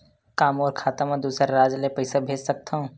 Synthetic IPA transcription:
kaːmɔːɾkʰaːt̪amãd̪uːsɾaɾaːd͡ʒlepɐɪsabʱeːd͡ʒsɐk̚t̪aɦũː

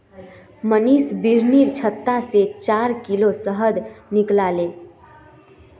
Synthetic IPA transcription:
məniːsbiɾniːɾt͡ʃʰət̪ːaset͡ʃaːɾkilosəɦəd̪nɪklaːleː

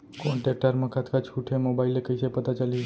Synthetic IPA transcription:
kɔɳʈek̚ʈəɾmãkʰat̪kat͡ʃʰuʈʰemobailekəjt͡ʃepət̪ãt͡ʃali

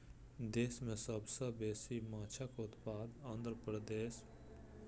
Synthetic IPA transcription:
d̪eːsmẽsəbsɐbeːsimaːt͡ʃʰakoʊt̪paːd̪ãnd̪ɾəpɾəd̪eːs

